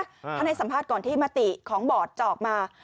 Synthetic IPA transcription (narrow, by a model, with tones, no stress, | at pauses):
pʰa˧na˧jsa˩˦mpʰaː˥˩t̪̚kɔː˨˩nt̪ʰiː˥˩maː˧t̪i˨˩kʰɔː˩˦ŋbɔː˨˩t̪̚t͡ɕɔː˨˩k̚maː˧